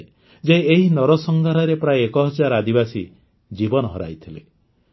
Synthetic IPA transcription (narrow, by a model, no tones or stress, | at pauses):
d͡ʒeeɦinɔɾɔsɔŋɡʱaɾɔɾepɾajekɔɦɔd͡ʒaɾad̪ibasi | d͡ʒibɔnɔɦɔɾa̰jt̪ʰile